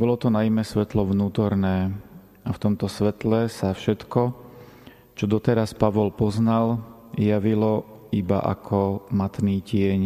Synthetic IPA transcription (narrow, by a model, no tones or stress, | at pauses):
bɔlɔt̪ɔnajimɛsʋɛt̪lɔʋnuːt̪ɔɾnɛː | aft̪ɔmt̪ɔsʋɛt̪lɛsafʃɛt̪kɔ | t͡ʃɔd̪ɔt̪ɛɾaspaʋɔlpɔznal | jaʋilɔ | iba̰ʔa̰kʰɔmat̪niːcɪɛɲ